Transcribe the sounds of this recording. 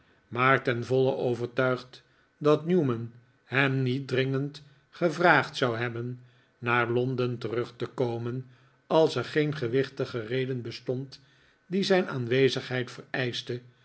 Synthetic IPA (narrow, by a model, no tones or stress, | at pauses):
maːɹtɛnvɔləʔowvəɹtœɥχt | dɑtnjumən | hɛmnit̚drɪŋənt | χəvraːχtsɑwɦɛbənː | aːɹlɔndəntərɵχtəkowmən | ɑlˠsɛɹχejnχəʋɪχtəχərejdənbəstɔnt | dizɛjnaːnʋejzəχɦɛjtfərɛjstə